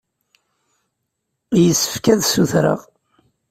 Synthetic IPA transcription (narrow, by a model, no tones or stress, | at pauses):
jəsːə̥fkæðsuθɾə̰ʁ